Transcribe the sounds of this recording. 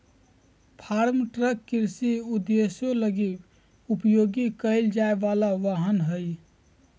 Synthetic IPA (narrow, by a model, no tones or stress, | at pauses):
pʰaɾmʈɾəkːiɾsiud̪ːesjõləɡi | upjoɡikəɪld͡ʒaeʋalaʋaɦənɦəj